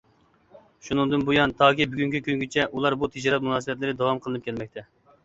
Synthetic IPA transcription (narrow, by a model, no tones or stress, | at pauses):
ʃunɨŋd̪ɨnbujɑnt̪ʰɑːkʲibyɡʲyŋkʲikʲyŋɡʲit͡ʃʰɛʔulˠɑɾbut̪ʰed͡ʒɑɾɑt̪̚munɑːsɨbɛt̪lɪɾɪd̪ɑwɑmqʰəlˠɨnɨpkʲʰɛlmɛk̚ʲt̪ʰɛ